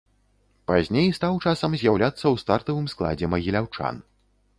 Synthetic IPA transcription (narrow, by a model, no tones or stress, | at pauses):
pazʲnʲejst̪awt͡ʂasɐmzʲjawlʲat̪sːɐwst̪art̪ɐvɨmsklˠa̰d͡zʲɛmɐɣʲilʲawt͡ʂa̰n